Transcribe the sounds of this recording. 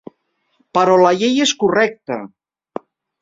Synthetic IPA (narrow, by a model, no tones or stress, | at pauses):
pəɾɔlaʎejeskurɛk̚t̪ə̰